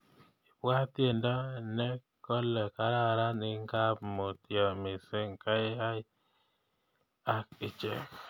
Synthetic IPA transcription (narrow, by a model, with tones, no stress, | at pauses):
i˨pwa˦tje˨ndɔ˦nɛ˦ | kɔ˦lɛ˨ka˦ɾa˦˨ɾa˦nɪ˨ŋ˦ka˦pmo˨tjɔ˨mɪ˨se˦ŋka˦ɪ˦ɦa˦ | a˦k̚ɪ˨t͡ʃḛ˨